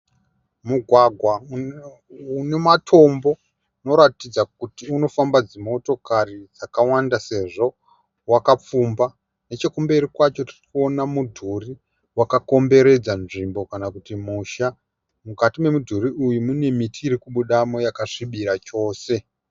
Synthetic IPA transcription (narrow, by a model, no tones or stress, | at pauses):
muɡʱwaɡʱwa | une̞matʰo̞mbo̞ | no̞ɾatid͡zak̚utiuno̞fambad͡zimo̞to̞karid͡zakawandase̞ʐo̞ | wakap͡fumba | net͡ʃe̞kumbe̞ɾikwat͡ʃo̞tirikuo̞namudʱuri | wakako̞mbe̞ɾe̞d͡zanʐimbo̞kanakutimuʃa | mukatime̞mudʱuɾiʔujumune̞mitiːɾikuɓuɗamo̞jakaʐiɓiɾat͡ʃo̞ːse̞